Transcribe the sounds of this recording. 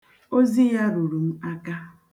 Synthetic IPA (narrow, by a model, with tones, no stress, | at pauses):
o˦zi˦ja˦ɾu˨ɾu˨m̩˦a˦ka˦